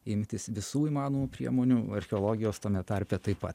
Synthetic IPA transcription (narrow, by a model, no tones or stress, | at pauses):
ɪmʲt̪ʲɪsʋʲɪsuːiːmɑːnoːmupʲɾʲiɛmoːnʲuːɐɾʲxʲɛoːlˠoːɡʲɪjoːst̪ɐmʲɛt̪ɐɾʲpʲɛt̪ɐɪpɐt̪